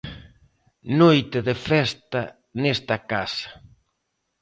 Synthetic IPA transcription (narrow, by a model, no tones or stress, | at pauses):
nojt̪ɪðefɛst̪ɐ | nɛst̪ɐkasḁ